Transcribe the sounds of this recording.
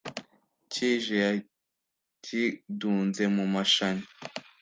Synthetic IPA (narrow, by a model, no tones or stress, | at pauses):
ciːʒeja | ciduːnzemumaʃaɲi